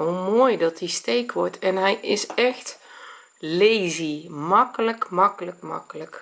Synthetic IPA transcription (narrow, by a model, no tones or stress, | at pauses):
omoːjdɔt̚distejkʋɔrtʰɛnɦɛjɪsɛxt | lejzimɑkələkmɑkələkmɑ̰kələk